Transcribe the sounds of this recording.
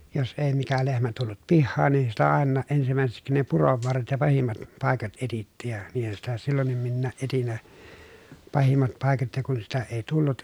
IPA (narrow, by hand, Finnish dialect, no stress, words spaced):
jos eˑi mikæ lehmæ tulːut pihːɑːn nin sitæ ɑˑenːɑː ʔensimæˑeseksi ne puroʋ ʋɑrːet jɑ pɑhimːɑt pɑˑekɑt etitːiːj jɑ niːhæn sitæ silːonːim minːæːʔ ʔetin ne pɑhimːɑt pɑˑi̯kɑt jɑ kun sitæ eˑi tulːut